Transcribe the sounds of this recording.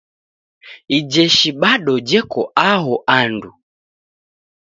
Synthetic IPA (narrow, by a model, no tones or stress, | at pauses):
id͡ʒɛʃiɓaɗɔd͡ʒɛkɔʔaɦɔʔandu